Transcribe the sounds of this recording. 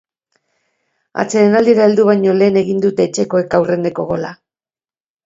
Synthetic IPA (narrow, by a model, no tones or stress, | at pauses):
a̰t͡se̞ɾenald̪iɾaeld̪uβ̞ajɲo̞le̞ːne̞ɣind̪ut̪e̞ːt͡ʃe̞ko̞e̞kawre̞nd̪e̞ko̞ɣo̞la